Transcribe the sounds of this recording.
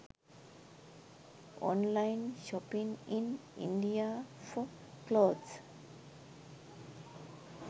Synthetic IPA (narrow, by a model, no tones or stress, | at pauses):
ɔ̰̃nlaɪ̃nʃɔpĩŋĩnḭ̃nɖiafɔkloːds